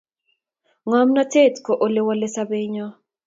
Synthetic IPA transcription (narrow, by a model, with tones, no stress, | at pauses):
ŋɔ˦mna˦te˦˨tko˨ʔo˦le˦wɔ˦le˦sa˦be˦ɲɔ˦